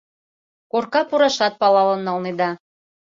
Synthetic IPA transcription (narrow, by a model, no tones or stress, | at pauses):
korkɑpuɾɑʃɑt̪̚pɑlɑlɤnːɑlˠned̪ɑ